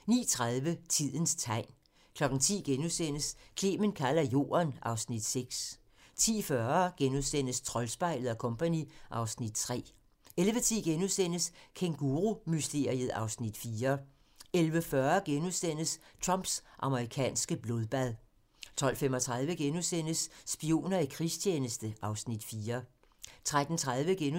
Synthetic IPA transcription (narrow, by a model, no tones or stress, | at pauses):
nḭːt͡sʰʁaðˠʋət͡sʰið̞̰ˠən̩st͡sʰɑ̈ɪ̰n | kʰlɒ̽ɡ̥n̩t͡sʰḭːɡ̥enuðˠsen̰əskʰleːmənkʰælɐjo̝̰ːɐnʔɑ̈ʊsnid̥seɡ̥s | t͡sʰḭːfɶɐɡ̥enuðˠsen̰əst͡sʰʁɒ̽lsb̥ɑ̈ɪ̰lð̩ˠɒkʰɔ̽mpʰæniʔɑ̈ʊsnid̥t͡sʰʁɛ̰ː | elʋət͡sʰiːɡ̥enusen̰əskʰeŋɡ̥uːʁumysd̥e̝ɐ̰iəð̩ˠɑ̈ʊsnid̥fiːɐ | elʋəfɶːɐɡ̥enuðˠsen̰əst͡sʰʁɑmb̥sʔɑ̈məʁikʰɛ̰ːnsɡ̥əb̥lo̝ð̞ˠb̥æðˠ | t͡sʰɒ̽l̰femɒt͡sʰʁäð̞ˠʋəɡ̥enusen̰əsːb̥io̝̰ːnɐikʰʁist͡ɕʰjeːnəsd̥əʔɑ̈ʊsnid̥fiːɐ | t͡sʰʁad̥n̩t͡sʰʁaðˠʋəɡ̥en